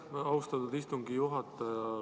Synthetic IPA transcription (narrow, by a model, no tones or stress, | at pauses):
ɑwst̪ɑt̪ud̪ist̪uŋɡijuɦɑt̪ːˑɑjɑ